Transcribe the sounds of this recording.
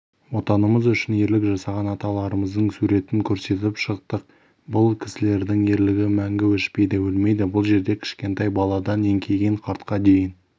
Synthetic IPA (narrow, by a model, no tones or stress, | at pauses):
wo̞t̪ɑnəməzʏʃɪne̞ɾlɪkʒɑsɑʁɑnɑt̪ɑlˠɑɾəməzd̪əɴsuɾe̞t̪ɪŋkʲʰɵɾse̞t̪̬ɪpʃəq̚t̪əq̚ | bʊlˠkʲʰɪ̥sɪle̞ɾd̪ɪŋe̞ɾlɪɡʲɪmæŋɡʲɪwɪʃpe̞jd̪ebɪlme̞jd̪ɪbʊlˠʒe̞ɾd̪e̞kʲʰɪ̥ʃkʲe̞nt̪ɑjbɑlˠɑd̪ɑne̞ŋkʲʰe̞ɡʲeɴqʰɑɾt̪qɑd̪e̞jɪn